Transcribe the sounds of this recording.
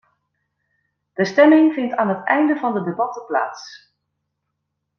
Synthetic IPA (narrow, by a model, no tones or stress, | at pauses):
d̥əstɛmɪŋvɪntaːnɦətɛjndəvɑndədebɑtəpla̰ːs